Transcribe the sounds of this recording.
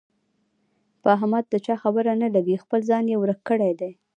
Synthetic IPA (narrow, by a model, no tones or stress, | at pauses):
pəaɦamad̪̚d̪ət͡ʃɑxabəɾanalaɾixpəlzɑnjewɾəkːəɽajd̪ej